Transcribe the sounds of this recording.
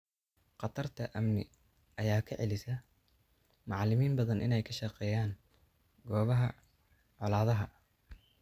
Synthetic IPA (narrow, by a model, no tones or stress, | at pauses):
qɑt̪ʰɐrt̪ʰɐʔɐmnɪ̰ | ʔɐjaːkʰɐʕɛlɪsɐ | mɑʕlɪmiːmbɐðɐnʔɪ̰nɛjkʰɐʃɑqɛːjaːŋ | ɡɔːβɐɦɐ | ʕɔlaːðɐɦɐ